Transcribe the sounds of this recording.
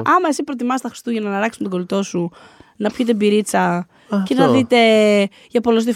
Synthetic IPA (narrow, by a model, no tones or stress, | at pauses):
ɐmɐe̞sipɾo̞t̪imɐst̪ɐxɾist̪uʝɐnɐnɐlɐkssmet̪oɡo̞lit̪o̞su | nɐpçit̪̬ebiɾit͡sɐ | cenɐðit̪e̞ | ʝɐpo̞los̬ði